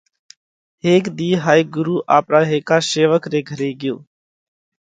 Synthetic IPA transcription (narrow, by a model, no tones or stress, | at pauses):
ɦeːkd̪iːɦaːiːɡʊɾuːʔaːpɾaːɦeːkaːseːʋəkɾeːɡʱəɾeːɡɪjo̰ː